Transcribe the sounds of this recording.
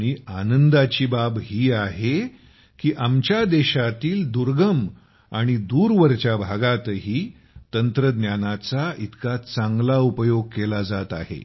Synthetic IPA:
ɽ̃ianənd̪at͡ɕiːbabɦiːaɦe | kiːʔamt͡ɕjad̪eɕat̪iːld̪uɾɡəm | aɽ̃id̪uːɾʋəɾt͡ɕjabʱaɡat̪ɦiː | t̪ənt̪ɾəd̪njanat͡sait̪kat͡sãŋɡlaupəjoɡ̚kelad͡zat̪ahḛ

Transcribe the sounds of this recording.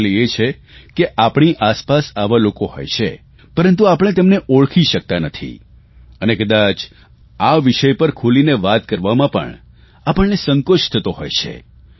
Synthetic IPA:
liet͡ʃʰe | keʔapɳ̃iʔaspasaʋalokoɦo̰jt͡ʃʰḛ | pəɾənt̪̬uapəɳ̃et̪emneʔoɭkʰiʃək̚t̪anət̪ʰḭ | ənekəd̪at͡ʃ | aʋɪʃəjpəɾkʰulineʋat̪kəɾʋamãpə̰ɳ | apəɳnesəŋkoʃt̪ʰət̪oɦo̰jt͡ʃʰḛ

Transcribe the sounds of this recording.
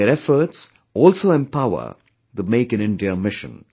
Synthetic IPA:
eɾɛfəɾʈs | ɔːlsoːɛ̃mpaʊə̰ | d̪əmeːkɨ̃nɪ̃nɖiəmɪʃə̰̃n

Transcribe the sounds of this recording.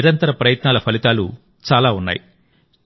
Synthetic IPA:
iɾɐnt̪ɐɾɐpɾɐjɐt̪naːlɐpʰɐlit̪aːlṵ | t͡ʃaːlaːunːa̰ːji

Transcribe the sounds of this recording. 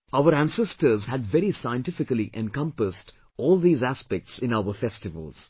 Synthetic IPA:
aʊəɾæ̃nsɛsʈəɾzhæɖʋɛɾisaɪə̃nʈɪfɪkəliʔɛ̃nkʌ̃mpəsʈ | ɔːlˠd̪iːzæspɛk̚ʈsɪ̃naʊəɾfɛsʈɪʋə̰lz̥

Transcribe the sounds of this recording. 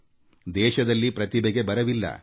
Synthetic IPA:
d̪ɛːʃɐd̪ɐlːipɾɐt̪ibeɡe̞bɐɾɐʋilːɐ̰

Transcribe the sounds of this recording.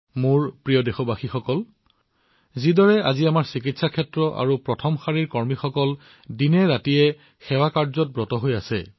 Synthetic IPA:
muɹpɹijɔdexɔbaxixɔkɔl | zidɔɹɛaziamaɹsikitsakʰɛtɹɔʔa̰ɹupɹɔtʰɔmxaɹiɹkɔɹmixɔkɔl | dinɛɹatijɛ | xɛwakaɹzɔt̚bɹɔtɔɦojasɛ̰

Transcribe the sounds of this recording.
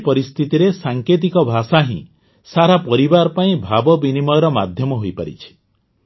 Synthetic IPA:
pɔɾist̪ʰit̪iɾesaŋket̪̬ikɔbʱasaɦḭ̃ | saɾapɔɾibaɾɔpaĩbʱabɔbinimɔjɔɾɔma̰d̪ʱjɔmɔɦojpaɾḭt͡ʃʰi̥

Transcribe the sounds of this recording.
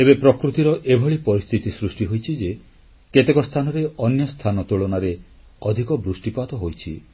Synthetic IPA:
ebepɾɔkɾut̪iɾɔʔebʱɔɭipɔɾist̪ʰit̪isɾusʈiɦojt͡ʃʰid͡ʒe | ket̪ekɔst̪ʰanɔɾeʔɔnjɔst̪ʰanɔt̪uɭɔnaɾe | ɔd̪ʱikɔbɾusʈipat̪ɔɦojt͡ʃʰḭ

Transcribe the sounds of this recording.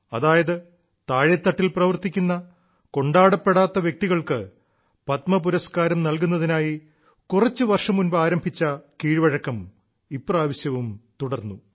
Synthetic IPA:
ɐðaːjɐðɨ | t̪aːɻjɐt̪ːɐʈːilprɐʋɐrt̪ikʲːunːɐ | ko̞ɳɖaːɽɐpːe̞ɽaːt̪ːɐʋjek̚t̪iɣɐɭkɨ | pɐt̪mɐp̬uɾɐskaːɾɐmnɐlk̬unːɐðinaːji | kurɐt͡ɕːɨʋɐrʂɐmunbɐaːɾɐmbʱit͡ɕːɐkiːɻʋɐɻɐkːɐm | ipːraːʋɐɕjɐʋumt̪uɽɐrnːu

